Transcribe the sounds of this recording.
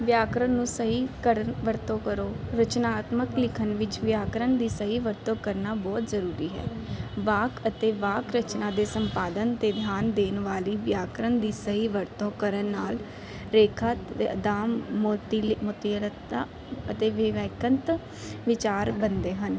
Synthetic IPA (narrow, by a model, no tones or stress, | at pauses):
ʋjaːkɾənːũːsəɦiːkəɾəʋəɾt̪õːkəɾoːɾət͡ʃnaːt̪məklɪkʰənʋɪt͡ʃʋjaːkɾənd̪iːsəɦiːʋəɾt̪õːkəɾnaːbɔːt̪zəɾuːɾiːɦɛ̰ːʋaːkət̪eːʋaːkɾət͡ʃnãːd̪eːsəmpaːd̪ənt̪eːd̪ʱjaːnd̪eːnʋaːliːʋjaːkɾənd̪iːsəɦiːʋəɾt̪õːkəɾənːaːl | ɾeːkʰat̪ed̪aːmːoːt̪iːlmoːt̪iəɾət̪aː | ət̪eːʋɪʋɛːkənt̪ | ʋɪt͡ʃaːɾbənd̪eːɦən